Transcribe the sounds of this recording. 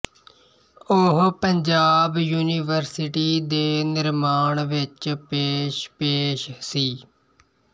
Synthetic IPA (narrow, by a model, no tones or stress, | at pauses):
ʊɦpəɲd͡ʒaːbjuːniʋəɾsɪʈiːd̪eːnɪɾmaːɳʋɪt͡ʃpeːʃpeːʃsiː